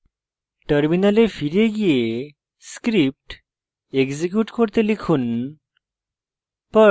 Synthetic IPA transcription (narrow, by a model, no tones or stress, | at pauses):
ʈəɾminalefiɾeɡije | skɾip̚ʈ | eɡd͡zikjuːʈkʰoɾt̪elikʰuːn | pə